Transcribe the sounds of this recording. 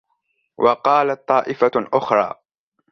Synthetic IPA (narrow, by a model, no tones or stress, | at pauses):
wʔɑqɑːlat̪̚t̪ˤːɑːʔɪfaʔʊxɾˤɑ̰ː